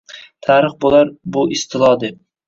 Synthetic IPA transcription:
t̪ʰaɾɨχbolaɾbʊɪst̪ʰɪlˠɒd̪ɪ

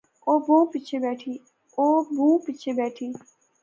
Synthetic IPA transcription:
oːbõːpɪt͡ʃʰeːbɛːʈʰiː | oːbʱũːpɪt͡ʃʰeːbɛːʈʰiː

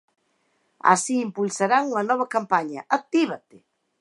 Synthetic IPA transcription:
a̰siːmpulsaɾaŋuŋɐnɔβɐkampaɲɐʔak̚t̪iβat̪ɪ

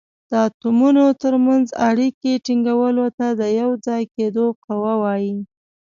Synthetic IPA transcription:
d̪̥əat̪umunot̪əɾmanzaɽikeʈiŋɡawəlot̪ad̪əjawd͡zɑjked̪oqawawɑji

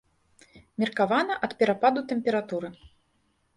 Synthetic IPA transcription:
mʲirkavanɐʔɐt̪pʲɛɾapad̪ut̪ɛmʲpʲɛɾat̪uɾɨ

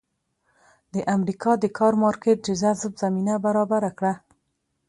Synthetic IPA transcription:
d̪əʔamɾikʰɑd̪əkʰɑɾmɑɾkeʈ̪̚d͡ʒəzazbzaminabaɾɑbaɾakɽa

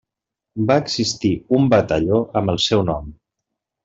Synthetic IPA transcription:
baəɡzist̪iumbət̪əʎoʔəmbəlˠsɛwnɔm

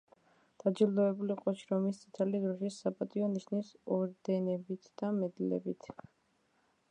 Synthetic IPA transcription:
d̪̥ad͡ʒild̪ɔɛbuliqʼɔʃɾɔmist̪sʰʼit̪ʰɛlid̪ɾɔʃisːapʼat̪ʼiɔniʃnisɔɾd̪ɛnɛbit̪ʰd̪̥amɛd̪lɛ̰bit̪ʰ

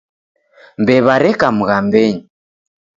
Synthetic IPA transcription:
mbɛβaɾɛkamuɣambɛɲi

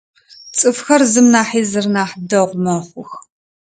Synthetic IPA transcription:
t͡sʼɨfxɐrzɨmnaːħiːzɨrnaːħdɐʁʷmɐχʷʊx

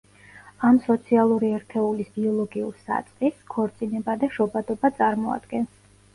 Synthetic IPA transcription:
amsɔt̪sʰialˠuɾiɛɾt̪ʰɛulisbiɔlˠɔɡiuɾsa̰t̪sʼχiskʰɔɾt̪sʼinɛbad̪aʃɔbad̪ɔbat̪sʼaɾmɔa̰d̪ɡɛns

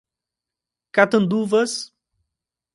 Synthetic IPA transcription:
kat̪ɐ̃nd̪uvɐs

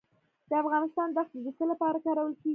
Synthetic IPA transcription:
d̪̥əafɣɑnɪst̪ɑnd̪axt̪d̪əd̪əsəlapɑɾakɑɾawəlkeɡ

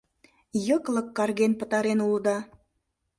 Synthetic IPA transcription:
jəklə̆kːɑrɣenpə̆t̪ɑɾenuld̪ɑ

